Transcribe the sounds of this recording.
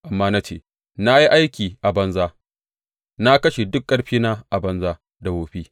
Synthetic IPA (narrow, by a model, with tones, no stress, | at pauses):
ʔa˨mːaː˦na˦t͡ʃeː˦˨ | na˦ji˦ʔa˦jkʲiː˨ʔa˨bɐ˦nzaː˦ | na˦kɐ˦ʃe˨dʊ˦kːɐ˦ɽɸiː˦naː˦ʔa˨bɐ˦nzaː˦ | da˨woː˨ɸiː˦